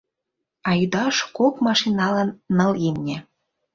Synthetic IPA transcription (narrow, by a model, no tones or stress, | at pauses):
ɑjyd̪ɑʃkokmɑʃinɑlɑnːɤ̆limnʲĕ